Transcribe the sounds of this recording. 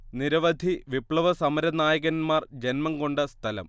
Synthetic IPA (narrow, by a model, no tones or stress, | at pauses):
niɾɐʋɐd̪ʱiʋipɭɐʋɐsɐmɐɾɐnaːjɐɣɐnmaːrd͡ʑenmɐnko̞ɳɖɨst̪ʰɐlɐ̰m